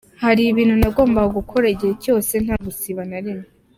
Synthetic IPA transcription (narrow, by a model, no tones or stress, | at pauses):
haɾiβiːn̥hunaɡo̞ːmbahoɡukʰo̞ɾaɟiheco̞ːse̞n̥haɡusiβanaɾime